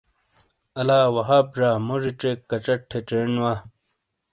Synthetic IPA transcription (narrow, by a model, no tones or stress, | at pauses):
ɐlaːwɐɦaːp̚ʐaːmoʐiʈ͡ʂekːɐt͡ɕɐʈʰːeʈ͡ʂenwaː